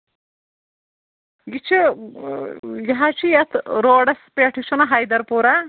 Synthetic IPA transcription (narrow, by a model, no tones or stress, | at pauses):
ɡit͡ʃʰi | jɐɦat͡ʃʰijɐt̪ʰɾoːɖɐspeːʈʰit͡ʃʰunɐɦajd̪ɐɾpuɾa